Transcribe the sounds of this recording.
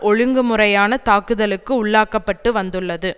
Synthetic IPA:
ʔɔɻɯŋɡɯmɯrɐjaːnɐt̪aːkɯðɐlɯkːɯʊɭːaːkɐpːɐʈːɯʋɐnd̪ɯɭːɐðɯ

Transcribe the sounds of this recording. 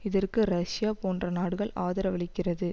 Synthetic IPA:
ɪðɐrkɯɾɐʂɪjaːpoːndrɐnaːɽɯɣɐɭʔaːðɐɾɐʋɐɭɪkːɪrɐðɯ

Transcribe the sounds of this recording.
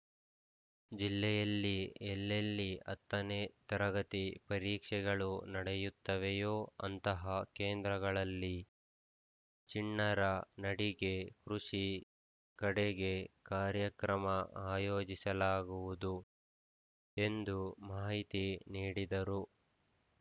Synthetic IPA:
d͡ʒilːɛjɐlːiɛlːelːiɐ̰t̪ːɐnet̪ɐɾɐɡɐt̪ipɐɾiːkʂɛɡɐɭunɐɽɛjut̪ːɐʋejoːɐ̰nt̪ɐɦɐkeːnd̪ɾɐɡɐɭɐlːi | t͡ʃiɳːɐɾɐnɐɽiɡe̞kɾuʂi | kɐɽeɡe̞kaːɾjɐkɾɐmɐaːjoːd͡ʒisɐlaːɡuʋud̪u | e̞nd̪umaːɦit̪iniːɽid̪ɐɾu

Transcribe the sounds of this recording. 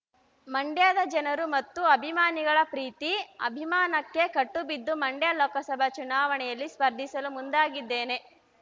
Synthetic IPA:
mɐɳɖjaːd̪ɐd͡ʒɐnɐɾumɐt̪ːuɐbʱimaːniɡɐɭɐpɾiːt̪iɐ̰bʱimaːnɐkːe̞kɐʈːubid̪ːumɐɳɖjalɔːkɐsɐbʱɐt͡ʃunaːʋɐɳɛjɐlːispɐɾd̪ʱisɐlumund̪aːɡid̪ːeːne̞

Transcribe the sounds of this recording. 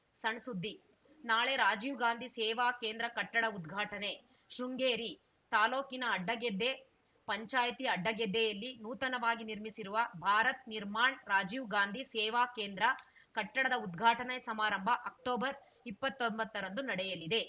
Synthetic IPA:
sɐɳsud̪ʱːi | naːɭe̞ɾaːd͡ʒiːʋɡaːnd̪ʱisɛːʋaːkeːnd̪ɾɐkɐʈːɐɽɐud̪ɡʱaːʈɐne̞ | ʃɾuŋɡeːɾi | t̪aːloːkinɐːɖːɐɡed̪ːe | pɐɲt͡ʃaːjt̪iɐɖːɐɡɛd̪ːɛjɐlːinuːt̪ɐnɐʋaːɡiniɾmisiɾuʋɐbʱaːɾɐt̪̚niɾmaːɳɾaːd͡ʒiʋɡaːnd̪ʱisɛːʋaːkeːnd̪ɾɐ | kɐʈːɐɽɐd̪ɐud̪ɡʱaːʈɐnesɐmaːɾɐmbʱɐʔɐk̚ʈoːbɐɾ | ipːɐt̪ːombɐt̪ːɐɾɐnd̪unɐɽɛjɐlid̪e̞

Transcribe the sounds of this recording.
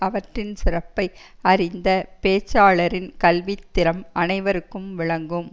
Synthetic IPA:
ɐʋɐʈrɪnsɪrɐpːɐɪ | ɐɾɪnd̪ɐpeːt͡ʃːaːɭɐɾɪnkɐlʋit̪ːɪɾɐmɐnɐɪʋɐɾɯkːɯmʋɪɭɐŋɡɯm

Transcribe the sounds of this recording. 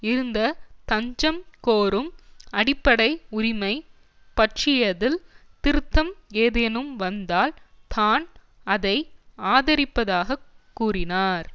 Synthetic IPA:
ɪɾɯnd̪ɐt̪ɐɲd͡ʒɐmkoːɾɯmɐɽɪpːɐɽɐɪʊɾɪmɐɪ | pɐʈʂɪjɐðɪlt̪ɪɾɯt̪ːɐmeːðenɯmʋɐnd̪aːlt̪aːn | ɐðɐɪaːðɐɾɪpːɐðaːɣɐkːuːrɪnaːɾ

